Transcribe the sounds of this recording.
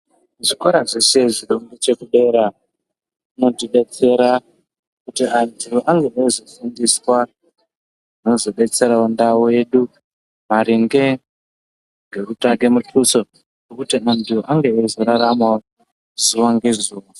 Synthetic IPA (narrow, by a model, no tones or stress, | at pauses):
ʐikoɾaʐeseʐiɗoŋɡet͡ʃekuɗe̞ɾa | ino̞diɗe̞t͡se̞ɾa | kutiandioʔaŋɡeɗezofundiswa | inozo̞ɓe̞t͡se̞ɾaundawoe̞ɗu | maɾiŋɡe̞ | ŋɡe̞rutake̞mutʰuso̞ | rokutiandioʔaŋɡe̞ezoɾaɾama | zuwaŋɡezuːwa